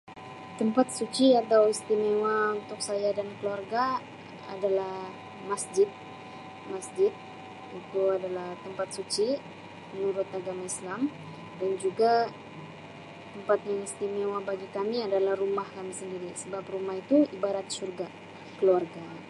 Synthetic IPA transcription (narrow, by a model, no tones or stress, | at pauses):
t̪əmpat̪̚sut͡ʃiat̪awist̪imewaunt̪ʊk̚sajadankəluarɡa | a̰dalah | masd͡ʒɪt̪̚ | masd͡ʒɪt̪̚ | it̪uadalaht̪əmpat̪̚sut͡ʃi | pənuɾʊt̪aɡamaislam | dand͡ʒuɡa | t̪əmpat̪̚jaŋist̪imewabaɡikamiadalahrumahkamisəndiɾisəbaprumahit̪uibaɾat̪̚surɡa | kəluarɡa